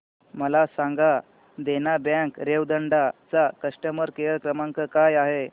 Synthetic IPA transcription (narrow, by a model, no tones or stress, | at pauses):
məlasãŋɡa | d̪enabãŋkɾeʋd̪əɳɖat͡sakəʂʈəməɾkejəɭkɾəmaŋkəkajaɦe